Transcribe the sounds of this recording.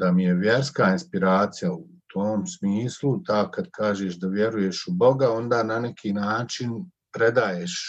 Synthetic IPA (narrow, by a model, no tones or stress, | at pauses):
d̪amije̞ʋje̞ɾskaːinspiɾaːt̪sijau | t̪ʰoːmsmiːslut̪aːkad̪kʰaːʒeːʃd̪aʋje̞ɾujeʃubo̞ɡao̞nd̪aːnanekʰiːnaːt͡ʃin | pɾed̪aːjeːʃ